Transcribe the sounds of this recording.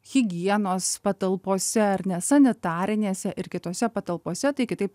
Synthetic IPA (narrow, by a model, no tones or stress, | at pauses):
ɣʲɪɡʲiɛnoːspɐt̪ɐlˠpoːsʲɛɐɾnʲɛsɐnʲɪt̪ɑːɾʲɪnʲeːsʲɛʔɪɾkʲɪt̪oːsʲɛpɐt̪ɐlˠpoːsʲɛt̪ɐɪkʲɪt̪ɐɪp̚